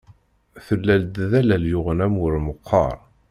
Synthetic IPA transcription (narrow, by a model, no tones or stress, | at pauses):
θəlːæld̪ðælæljʊʁənæmʊɾməqʰːɑ̰ɾˤ